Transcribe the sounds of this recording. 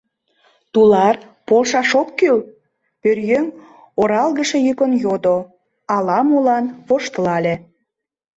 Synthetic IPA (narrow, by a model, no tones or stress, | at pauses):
t̪ulɑr | polʃɑʃokkyl | pørjøŋ | oɾɑlɣə̆ʃe̽jykənjod̪o | ɑlɑmulɑnβoʃt̪əlɑlʲe